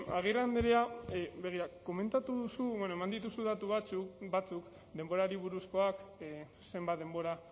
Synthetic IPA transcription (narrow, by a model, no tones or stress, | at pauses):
aɣ̞irand̪eɾeaβe̞ɣ̞iɾako̞me̞nt̪at̪uðusuβonoe̞mand̪it̪̬usuðat̪uβat͡subat͡suk | d̪e̞mbo̞ɾaɾiβ̞uɾusko̞ak | se̞mbat̪d̪e̞mbo̞ɾa